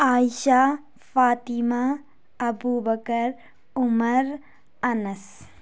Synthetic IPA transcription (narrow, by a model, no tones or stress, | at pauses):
aːjʃaː | faːt̪ima | ɐbuːbɐkɐɾ | ʊmɐɾ | ɐnɐs